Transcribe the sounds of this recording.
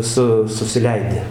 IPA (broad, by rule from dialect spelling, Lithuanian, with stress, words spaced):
ˈsʊ sʊsʲɪˈlʲɛɪdʲɪ